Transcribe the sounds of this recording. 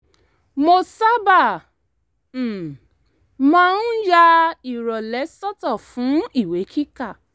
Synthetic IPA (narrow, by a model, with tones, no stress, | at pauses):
mo˧sa˦ba˦˨ | mã˦n̩˦ja˦i˨ɾɔ˨lɛ˨˦sɔ˦tɔ˦˨fũ˨˦i˦˨we˨˦kʰi˦ka˦˨